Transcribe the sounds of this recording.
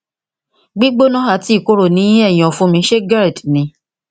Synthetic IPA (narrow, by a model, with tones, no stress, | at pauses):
ɡ͡bi˦ɡ͡bo˦nã˦ɦa˦˨ti˨˦˨ko˦ɾo˨nĩ˨˦j̃ɛ˦˨j̃ɔ̃˨fũ˦mĩ˧˦ʃe˦ɡa˦ɾe˨tnĩ˨˧˦